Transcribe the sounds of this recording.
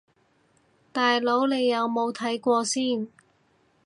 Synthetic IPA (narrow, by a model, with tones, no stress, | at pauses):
t̪aː˨jlo˨˥wle˨˧jːɐ˨˧wmo˨˧wt̪ʰɐ˨˥jkʷɔː˧siː˥˩n